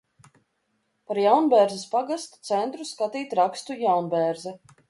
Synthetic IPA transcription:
paɾjawnbɛɾzɛspaɡast̪t̪sɛnt̪ɾuskat̪iːt̪ɾakst̪ujawnbɛːɾzɛ

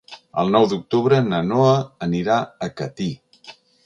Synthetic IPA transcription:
ə̰lˠnɔwd̪uk̚t̪uβɾənənoəːniɾaəkət̪i

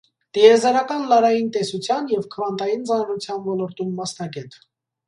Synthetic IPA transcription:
t̪iɛzɑɾɑkɑnlɑɾɑjint̪ɛsut͡sʰjɑnjɛvkʰəvɑnt̪ɑjint͡sɑnɾut͡sʰjɑnvɔlɔɾt̪umːɑsnɑɡɛt̪

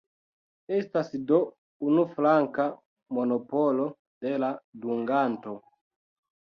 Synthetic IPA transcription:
e̞stasdo̞ | unuflaŋka | mo̞no̞po̞lo̞ | d̥e̞laduŋɡanto̞

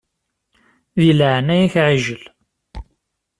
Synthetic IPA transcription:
ðiləʕnæjæçʕiʒəl

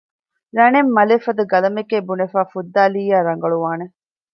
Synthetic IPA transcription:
ɾɐnemːɐlefɐd̪ɐɡɐlɐmekeːbunefaːfud̪ːaːliːjaːɾɐŋ̆ɡɐɭuʋaːne

